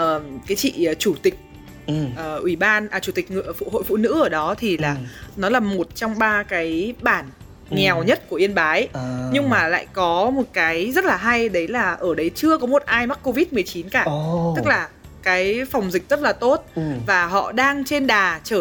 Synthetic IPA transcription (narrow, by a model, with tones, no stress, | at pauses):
ʔəː˨˩kaː˨˦jt͡ɕḭ˧˨˩t͡ɕu˧˩t̪ï˨˩k̟̚ | ʔəː˨˩ʔwi˧˩ɓaː˧nʔəː˨˩t͡ɕu˧˩t̪ï˨˩k̟̚ŋ˧˨˩fṵ˧˨ho̰˧˨jfṵ˧˨nɨ̰˧˥ʔəː˧˩ɗɔ˨˦t̪ʰi˨˩laː˨˩nɔ˨˦laː˨˩mo˨˩t̚t͡ɕɔ˧wŋ͡mɓaː˧kaː˨˦jɓaː˧˩n | ŋɛ˨˩wɲə˦˥t̚ku˧˩ʔi˧ənɓaː˨˦jɲɨ˧ŋmaː˨˩la̰ː˧˨jkɔ˨˦mo˨˩t̚kaː˨˦jzə˦˥t̚laː˨˩ɦa˧jɗə˨˦jlaː˨˩ʔəː˧˩ɗə˨˦jt͡ɕɨ˧əkɔ˨˦mo˨˩t̚ʔaː˧jma˦˥k̚kːo˧vi˦˥t̚mɨ˨˩əjt͡ɕi˨˦nkaː˧˩t̪ɨ˦˥k̚laː˨˩ | kaː˨˦jfɔ˨˩wŋ͡mzï˨˩k̟̚z̥ə˦˥t̚laː˨˩t̪o˦˥t̚vaː˨˩ɦɔ̰˧˨ɗaː˧ŋt͡ɕe˧nɗaː˨˩t͡ɕəː˧˩